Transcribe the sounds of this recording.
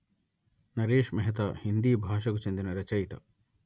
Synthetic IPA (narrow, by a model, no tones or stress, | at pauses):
nɐɾeːʃmɐɦɐt̪ɐhind̪iːbʱaːʃɐkut͡ʃend̪inɐɾɐt͡ʃɐjt̪ɐ̰